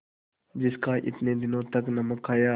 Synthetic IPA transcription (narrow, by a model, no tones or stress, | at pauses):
d͡ʒɪskaːʔɪ̰t̪nẽːd̪ɪnõːt̪əknəməkʰːaːjaː